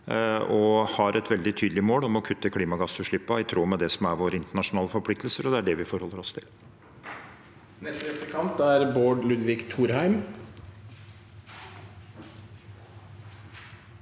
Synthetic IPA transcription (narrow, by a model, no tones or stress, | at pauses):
ɔhɑɾɛt̪ʋɛld̪ɪt̪ʰyːd̪lɪmoːlɔmɔkʰʉt̪ːəkʰliːmɑɡɑsːʉːʂɭɪpːɑɪt̪ʰɾoːmɛd̪ɛsɔmæɾʋoːɾəɪnt̪əɳɑʂʊnɑːləfɔɾpʰlɪk̚t̪əlsəɾɔd̪ɛæɖɛʋɪfɔɾhɔlːəɾɔst̪ʰɪl | nɛst̪əɛt̪əkʰɑmt̪æɾboːɖlʉd̪ʋɪkt̪ʰuːɾhæɪm